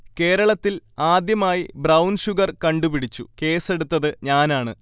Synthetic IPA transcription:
ke̞ːɾɐɭɐt̪ːilaːd̪jɐmaːjibrɐwnɕuɣɐrkɐɳɖupiɽit͡ɕːuke̞ːse̞ɽut̪ːɐðɨɲaːnaːɳɨ

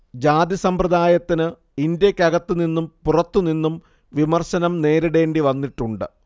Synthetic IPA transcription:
d͡ʑaːd̪jɐsɐmprɐd̪aːjɐt̪ːinɨ | indjɐkʲːɐɡɐt̪ːuninːumpurɐt̪ːuninːum | ʋimɐrɕɐnɐmne̞ːɾiɽe̞ːɳɖiʋɐnːiʈːuɳɖɨ̰

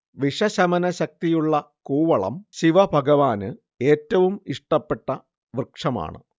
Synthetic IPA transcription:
ʋiʂɐɕɐmɐnɐɕɐk̚t̪ijuɭːɐ | kuːʋɐɭɐ̰mɕiʋɐbʱɐɡɐʋaːnɨ | e̞ːtːɐʋumiʂʈɐpːe̞ʈːɐ | ʋrkʂɐma̰ːɳɨ̰

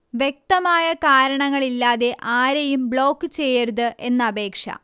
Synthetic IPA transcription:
ʋjek̚t̪ɐmaːjɐkaːɾɐɳɐŋːɐɭilːaːðe̞ʔaːɾejumbɭo̞ːkːɨt͡ɕe̞jːɐɾuðɨʔe̞nːɐɐbʱe̞ːkʂɐ̰

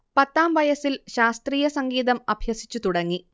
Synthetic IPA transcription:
pɐt̪ːaːmʋɐjɐsilɕaːst̪riːjɐsɐŋɡiːðɐmɐbʱjɐsi̥t͡ɕːut̪uɽɐŋːi

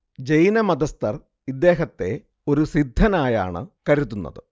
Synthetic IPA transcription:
d͡ʑejnɐmɐd̪ɐst̪ɐr | id̪ːe̞ːɦɐt̪ːe̞ | o̞ɾusid̪ʱːɐnaːja̰ːɳɨ̰kɐɾut̪ːunːɐ̰ðɨ

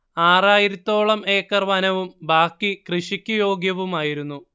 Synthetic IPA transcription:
aːraːjiɾɐt̪ːo̞ːɭɐme̞ːkːɐrʋanɐʋumbaːkːikrɨʂikʲːujo̞ːɡjɐʋumaːjiɾunːu

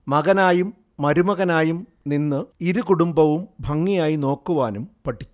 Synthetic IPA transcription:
mɐɣɐnaːjumː | ɐɾumɐɣɐnaːjum | ninːɨiɾukuɽumbɐʋumbʱɐŋːijaːjino̞ːkːuʋaːnumpɐʈʰːi̥t͡ɕːu̥

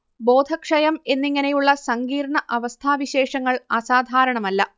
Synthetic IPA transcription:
bo̞ːd̪ʱɐkʂɐjɐme̞nːiŋːɐnejuɭːɐsɐŋɡiːɾɳɐʔɐʋɐst̪ʰaːʋiɕe̞ːʂɐŋːɐɭɐsaːd̪ʱaːɾɐɳɐmɐlːɐ

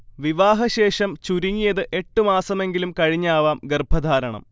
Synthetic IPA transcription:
ʋiʋaːɦɐɕe̞ːʂɐmt͡ɕuɾiŋːijɐðɨʔe̞ʈːɨmaːsɐme̞ŋɡilumkɐɻiɲːaːʋaːmɡerbʱɐd̪ʱaːɾɐɳɐ̰m

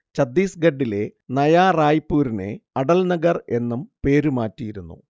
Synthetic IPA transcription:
t͡ɕɐd̪ːiːsɡɐɖːile̞nɐjaːraːjipːuːɾine̞̰ɐɽɐlnɐɡɐre̞nːumpe̞ːɾumaːtːijiɾunːṵ

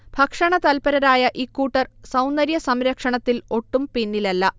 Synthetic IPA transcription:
b̥ʱɐkʂɐɳɐt̪ɐlpɐɾɐɾaːjɐʔiːkːuːʈːɐrsɐwnːɐɾjɐsɐmɾɐkʂɐɳɐt̪ːilo̞ʈːumpinːilɐlːɐ

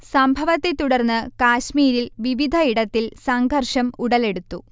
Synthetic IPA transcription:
sɐmbʱɐʋɐt̪ːe̞t̪uɽɐrnːɨkaːɕmiːɾilʋiʋid̪ʱɐiɽɐt̪ːilsɐŋɡʱɐrʂɐmuɽɐle̞ɽut̪ːu

